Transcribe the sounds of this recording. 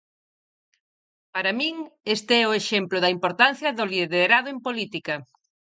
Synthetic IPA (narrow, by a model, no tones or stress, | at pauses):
paɾamĩŋest̪eɛʊeʃemplʊðɐimpoɾt̪an̟θjɐðʊliðeɾaðʊempolit̪ikɐ